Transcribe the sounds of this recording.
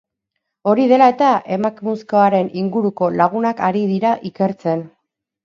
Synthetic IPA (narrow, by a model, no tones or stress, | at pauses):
o̞ɾiðe̞lae̞t̪aʔe̞makmuskoaɾe̞nʔiŋɡuɾuko̞laɣ̞unakaɾiðiɾaʔike̞ɾt͡se̞n